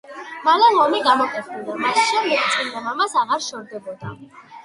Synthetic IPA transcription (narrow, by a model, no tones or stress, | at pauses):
malalɔmiɡamɔkʼɛt̪ʰbilamasʃɛmd̪ɛɡt̪sʼind̪amamasaʁaɾʃɔɾd̪ɛbɔd̪a